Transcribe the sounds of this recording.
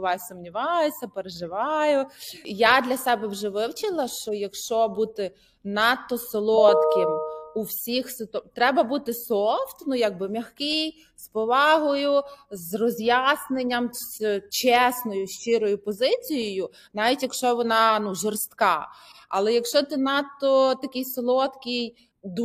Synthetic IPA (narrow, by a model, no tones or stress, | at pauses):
ʋɑjsʊmnʲiʋɑjʊsʲːɐpeɾeʒɪʋɑjʊjad̪lʲɐsɛbɛwʒɛʋɪwt͡ʃɪlˠɐʃt͡ʃɔjɐkʃt͡ʃɔbut̪ɪ | nɑt̪ːɔsɔlˠɔt̪kɪmuwsʲixst̪ɔt̪ɾɛbɐbut̪ɪsɔft̪nujaɡ̚bɪmʲɐxkɪj | spɔʋɑɦɔjʊzrɔzʲjasnenʲːɐmst͡ʃɛsnɔjʊʃt͡ʃɪɾɔjʊpɔzɪt͡sʲijɔjʊ | nɑʋʲitʲjɐkʃt͡ʃɔʋɔnɑnuʒɔrst̪kɑɐlˠɛjɐkʃt͡ʃɔt̪ɪnɑt̪ːɔt̪ɐkʲɪjsɔlˠɔt̪kʲij | d̪